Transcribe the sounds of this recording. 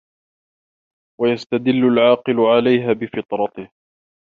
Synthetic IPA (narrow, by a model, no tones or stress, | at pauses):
wajast̪ad̪ɪlːʊlʕɑːqɨlʊʕalajɦaːbɪfɨt̪ˤɾˤɑt̪ɪh